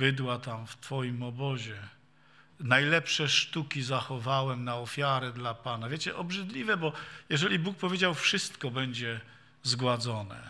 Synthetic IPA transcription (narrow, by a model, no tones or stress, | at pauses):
bɘd̪wat̪amft̪fɔjimɔbɔʑɛ | najlɛpʂɛʂt̪ukʲizaxɔvawɛmnaɔfʲjaɾɛd̪lapanavʲjet͡ɕɛʔɔbʐɘd̪lʲivɛbɔjɛʐɛlʲibuk̚pɔvʲjed͡ʑawfʂɘst̪kɔbɛɲd͡ʑɛ | zɡwad̪zɔnɛ̰